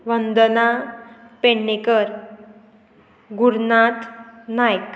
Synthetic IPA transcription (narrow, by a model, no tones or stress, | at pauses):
ʋənd̪əna | peɳːekəɾ | ɡuɽnat̪najk